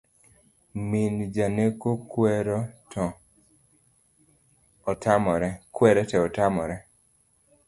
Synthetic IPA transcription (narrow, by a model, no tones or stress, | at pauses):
mind͡ʒanekokwɛɾɔtɔ | tamɔɾɛkwɛɾɛtɛɔtamɔɾɛ